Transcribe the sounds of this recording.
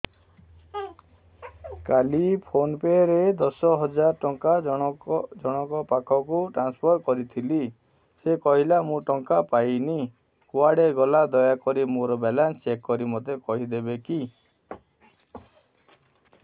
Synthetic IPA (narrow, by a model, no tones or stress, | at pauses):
kalipʰonpeɾed̪ɔsɔɦɔd͡ʒaɾʈɔŋka | d͡ʒɔɽ̃ɔkɔpakʰɔkuʈɾanspʰɔɾkɔɾit̪ʰili | sekɔɦilamũʈɔŋkapajni | kwaɽeɡɔlad̪ɔjakɔɾimoɾɔbalanst͡ʃekːɔɾimot̪ekɔɦid̪ebeki